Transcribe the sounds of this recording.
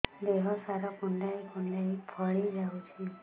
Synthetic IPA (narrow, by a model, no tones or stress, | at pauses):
d̪eɦɔsaɾɔkuɳɖajkuɳɖajpʰɔɭid͡ʒawt͡ʃʰi